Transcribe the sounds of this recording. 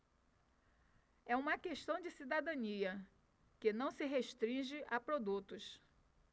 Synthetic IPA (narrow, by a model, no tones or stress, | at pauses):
ɛũmɐkeʃt̪ɐ̃w̃d͡ʒɪsid̪ad̪ɐ̃niɐ | kɪnɐ̃w̃sɪɦeʃt̪ɾĩʒɪʔapɾod̪ut̪ʊs